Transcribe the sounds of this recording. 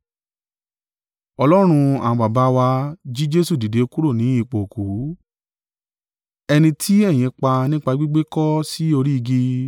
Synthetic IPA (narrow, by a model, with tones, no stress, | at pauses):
ɔ˧lɔ˦ɾ̃ũ˧a̰˨ã˧ɡ͡ba˨ba˨˦wa˧d͡ʒi˦d͡ʒe˦su˦˨di˨de˨˦˧ku˦ɾo˦˨nĩ˨˦i˦˧˨k͡po˨ku˨˦ | ɛ˧nĩ˧tʰi˦ɛ˦˨j̃ĩ˧k͡pa˧nĩ˦k͡pa˧ɡ͡bi˦ɡ͡be˦kɔ˦si˦o˧ɾi˦i˧ɡi˧